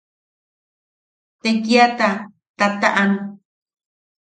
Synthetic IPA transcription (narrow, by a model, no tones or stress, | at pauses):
t̪eŋkiat̪a | t̪at̪aʔanũ